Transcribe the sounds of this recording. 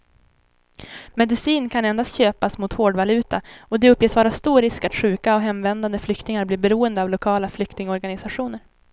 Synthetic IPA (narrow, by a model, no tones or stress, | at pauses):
mɛd̪ɪsiːnkʰanɛnd̪ast̪ɕøːpasmʊt̪hoːɖvalʉ̟ːt̪aɔd̪ɛɵpːjeːsvɑːɾast̪uːɾɪskat̪ɧʉ̟ːkaɔɦɛmvɛnd̪and̪əflʏkt̪ɪŋaɾbliːɾbɛɾuːənd̪əavlʊkʰɑːlaflʏkt̪ɪŋəɔɾɡanɪsaɧuːnəɾ